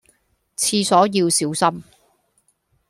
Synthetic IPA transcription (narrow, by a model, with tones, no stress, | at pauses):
t͡sʰiː˧sɔː˨˥jiː˧wsiː˨˥wsɐ˥m